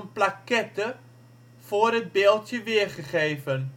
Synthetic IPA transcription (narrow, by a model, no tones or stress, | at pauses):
nplɐkɛtə | foːrət̚beːlˠtjəviəχəχeːfən